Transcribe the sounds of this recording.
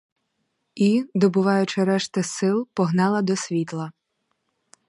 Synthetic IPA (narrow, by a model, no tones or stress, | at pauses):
id̪ɔbʊʋɑjʊt͡ʃɪɾɛʃt̪ɐsɪlˠpɔɦnɑlˠɐd̪ɔsʲʋʲit̪lˠɐ